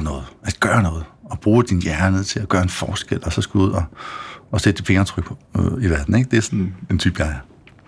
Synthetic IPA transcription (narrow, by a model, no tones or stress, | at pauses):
nɔ̽ːð̩ˠæd̥ɡ̥ɶːɐnɔ̽ːð̞̩ˠɒ̽b̥ʁuːd̥injæɐnəð̩ˠt͡sʰe̝læɡ̥ɶːɐe̝nfɒːsɡ̥el̰ɒ̽sɒ̽sɡ̥uuð̞̰ˠɒ̽ɒ̽sed̥əfe̝ŋɐt͡sʰʁœɡ̥̚pʰiʋæɐd̥n̩e̝ɡ̥̚d̥e̝æɐsɔne̝nt͡sʰy̰ːb̥jɑ̈ɪɐ